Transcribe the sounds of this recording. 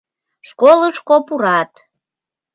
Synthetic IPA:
ʃkoləʃkopuɾɑt̪

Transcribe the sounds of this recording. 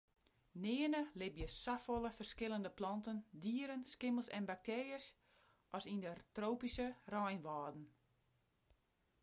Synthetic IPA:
nɪːənəlɪbjəsafolˠəfərskɪləndəplɑntəndiːəɾənskɪməlˠsɛnbak̚teːrjəs | ʔɔsindətroːpisərajnʋaːdn̩

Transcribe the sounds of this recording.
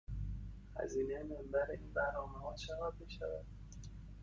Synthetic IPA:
hæ̰ziːnejemembæɾeʔiːnbæɾnɒːmehɒːʃævæd̪beʃævæ̰d̪̥

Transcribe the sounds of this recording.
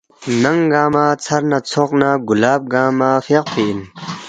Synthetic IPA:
nɐŋɡaːmat͡sʰɐɾnat͡sʰoqnaɡulaːp̚ɡaːmafeq̚pʰeʔin

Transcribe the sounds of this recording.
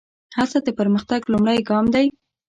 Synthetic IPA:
hasad̪əpəɾməxt̪aɡlumɽajɡɑmd̪aj

